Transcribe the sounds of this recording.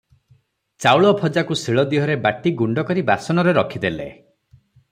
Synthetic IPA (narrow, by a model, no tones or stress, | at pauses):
t͡ʃawɭɔpʰɔd͡ʒakusiɭɔd̪iɦɔɾebaʈiɡuɳɖɔkɔɾibasɔnɔɾeɾɔkʰid̪elḛ